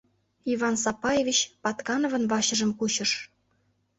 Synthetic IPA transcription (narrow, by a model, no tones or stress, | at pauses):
ivɑnsɑpɑjevʲit͡ɕpɑt̪kɑnŏvɤ̆nvɑɕɤ̆ʒə̆mkut͡ɕɤ̆ʃ